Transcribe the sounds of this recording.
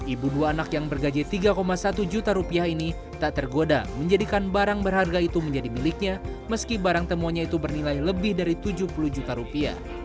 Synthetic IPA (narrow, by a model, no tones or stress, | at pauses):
ʔibuduaːnakjaŋbərɡad͡ʒɛt̪iɡakomasat̪ud͡ʒut̪aɾupiaɦini | t̪aʔt̪ərɡodaməɲd͡ʒadikanbaɾaŋbərɦarɡait̪uməɲd͡ʒadimilɪk̚ɲa | məskibaɾaŋt̪əmoɲait̪ubərnilajləbɪhdaɾit̪ud͡ʒuhpuluhd͡ʒut̪aɾupia̰h